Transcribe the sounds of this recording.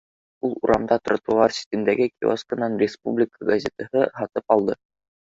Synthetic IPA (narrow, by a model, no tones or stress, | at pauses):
ulˠuɾʔɑmd̪ɑt̪rŏt̪uɑɾsʲɪ̥t̪ɘ̆nd̪æɡɘkʲio̰skə̆nɑnrʲɪspublʲɪkʰəɡɐzʲet̪əhɤɦɑt̪ɤpɑlˠd̪ɤ